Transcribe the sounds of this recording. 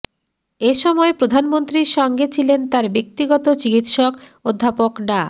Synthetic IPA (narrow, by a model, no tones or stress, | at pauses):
eʃɔmɔepɾod̪ʱanmont̪ɾiɾʃɔŋɡet͡ɕʰilent̪aɾbek̚t̪iɡɔt̪ot͡ɕikit̪ʃɔkod̪ʱːapokɖa